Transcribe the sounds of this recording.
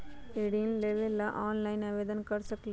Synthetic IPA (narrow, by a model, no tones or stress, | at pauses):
eɽinleʋelːɐʔaːnlɐɪnɐʋeːd̪ɐnkɐɾsɐk